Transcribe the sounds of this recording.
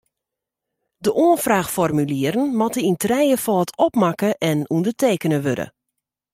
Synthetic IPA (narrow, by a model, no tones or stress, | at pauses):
dəʔoənfraːxfɔrmyliəɾən̩mɔtəintrɛjəfɔətʰɔpmakəʔɛnundərtʰeːkənəʋødə̰